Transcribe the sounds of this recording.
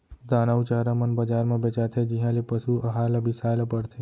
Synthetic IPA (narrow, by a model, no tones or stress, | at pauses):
d̪aːnaut͡ʃaɾamənbəd͡ʒaːɾmãbet͡ʃat̪ʰed͡ʒiɦãlepəʃuɐɦaːlaʋɪsaːlapəɽt̪ʰe